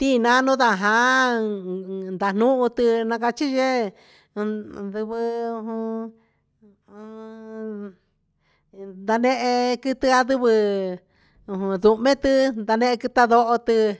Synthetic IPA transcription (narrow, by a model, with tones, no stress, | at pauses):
t̪i˦˧nã˧˦˧nũ˦ða˧˨ɦã˧˦ | nd̪a˨n̥ũ˦ʔũ˧t̪ɨ˧nã˧ka˧t͡ʃi˦ʒe˦˧ | ðɨ˧βɨ˧u˧ɦũ˧ | d̪a˧nẽ˦˧ʔe˧kɨ˧t̪ɨ˧a˧ðɨ˧βɨ˧ | ũ˧ɦũ˧ðu˧mẽ˦t̪ɨ˧nd̪a˧nẽ˦˧ʔe˧kɨ˧t̪a˦˧ðo˧ʔo˧t̪ɨ˧